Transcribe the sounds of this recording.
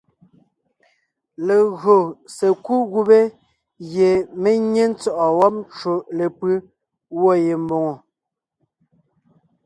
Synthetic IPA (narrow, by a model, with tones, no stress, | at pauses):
le˨ɣɰo˨se˨ku˦ɣu˦be˦ | ɣje˨me˦ɲe˦n̩˦t͡sɔ˦ʔɔ˨wɔ˦p̚t͡ʃo˨le˨pɯ˦ | wɔ˦je˨m˦bo˨ŋo˨